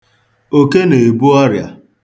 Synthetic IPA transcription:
o˦ke˦ne˨bu˦ɔ˦ɾja̰˨

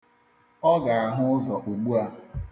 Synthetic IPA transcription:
ɔ˦ɡa˨a˨ɦʊ˦ʊ˦zɔ˨ʔu˨ɡ͡bu˦a˦

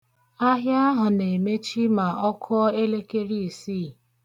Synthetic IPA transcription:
a˦ɦja˦a˦ɦʊ˨ne˨me˦t͡ʃi˦ma˨ʔɔ˦kʰʊ˦ɔ˦e˦le˦ke˦ɾi˦˨siː˦˨

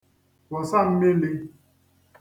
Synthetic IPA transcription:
wɔ˨sa˦˨m̩˦me˦li˦

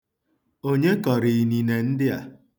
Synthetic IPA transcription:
o˦ɲe˦kɔ˨ɾi˨i˨ni˨ne˨n̩˦dɪ˦a̰˨

